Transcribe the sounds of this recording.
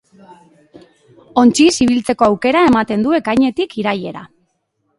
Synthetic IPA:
o̞nt͡ʃisiβ̞ilt͡se̞ko̞awke̞ɾae̞mat̪e̞nd̪ue̞kajɲe̞t̪ikiɾaje̞ɾa̰

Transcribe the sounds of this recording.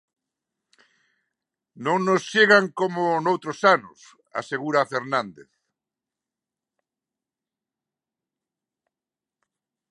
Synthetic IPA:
nõŋnosʃeɣaŋkomʊnowt̪ɾosanʊs | a̰seɣuɾafeɾnãnd̪ḛθ

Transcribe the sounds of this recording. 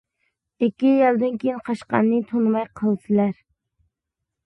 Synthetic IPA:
ɪkʲːijɛlˠd̪ɨnkʲejinqʰɑʃqɑ̰nːɨt̪ʰonmɑjqʰəlˠɨsɨɪlæɾ

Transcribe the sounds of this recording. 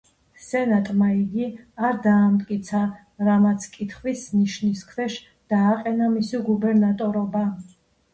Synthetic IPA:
sɛnat̪ʼmaiɡiaɾd̪aːmt̪ʼkʼit̪sʰa | ɾamat̪sʰkʼit̪ʰχwisniʃniskʰvɛʃ | d̪̥aːqʼɛnamisiɡubɛɾnat̪ʼɔɾɔba

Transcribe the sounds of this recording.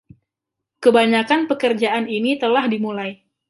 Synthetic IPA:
kəbaɲakanpəkərd͡ʒaaninit̪əlahdimulaj

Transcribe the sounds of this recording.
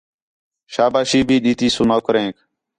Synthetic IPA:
ʃaːbaːʃiːbʱiːɗ̪iːt̪iːsunoːkəɾẽːk

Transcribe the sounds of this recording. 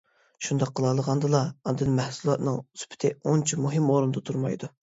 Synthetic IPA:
ʃund̪ɑqʰːəlˠɑlˠəʁɑnd̪ɨlˠɑɑnd̪ɨnmɛhsulˠɑt̪nɨŋyspʰɪ̥t̪ʰɪont͡ʃʰimuɦɨmoɾund̪ɑt̪ʰuɾmɑ̰jd̪u

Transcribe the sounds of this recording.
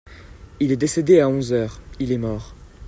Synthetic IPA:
ilɛd̪esed̪eaɔ̃zœːʁilɛmɔʁ

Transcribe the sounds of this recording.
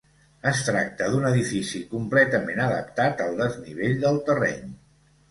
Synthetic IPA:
əst̪ɾak̚t̪əðunəðifisikumplɛt̪əmenəðə̰p̚t̪at̪əlˠd̪əzniβ̞eʎd̪əlˠt̪ərɛ̰ɲ

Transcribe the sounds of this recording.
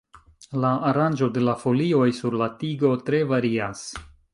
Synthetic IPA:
laːɾand͡ʒo̞de̞lafo̞lio̞jsuɾlatiɡo̞tɾe̞vaɾias

